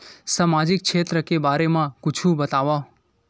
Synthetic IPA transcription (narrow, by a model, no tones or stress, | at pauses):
samad͡ʒik̚kt͡ʃʰet̪ɾəkebaɾemãkʊt͡ʃʰũbət̪aʋa